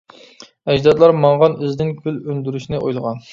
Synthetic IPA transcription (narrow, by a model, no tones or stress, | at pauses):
ɛd͡ʒd̪ɑd̪lˠɑɾmɑɴʁɑnizd̪ɪnkʲylønd̪yɾyʃnɪʔo̰jlˠəʁɑn